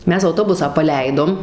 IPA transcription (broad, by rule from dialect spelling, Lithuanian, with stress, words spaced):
ˈmʲɛs ɐʊˈtoːbʊsɑː pɐˈlʲɛɪdoːm